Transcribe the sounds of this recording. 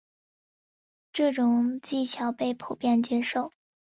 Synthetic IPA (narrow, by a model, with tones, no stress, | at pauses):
ʈ͡ʂɤ˥˩ʈ͡ʂʊ˨˩ŋt͡ɕi˥˩t͡ɕʰjɑ˧˥ʊpe˥˩ɪpʰu˨˩pjɛ˥˩nt͡ɕjɛ˥ʂo˥˩ʊ